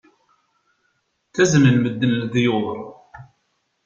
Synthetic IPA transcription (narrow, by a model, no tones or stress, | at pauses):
θæznəlməd̪ːənðjoðˤəɾˤ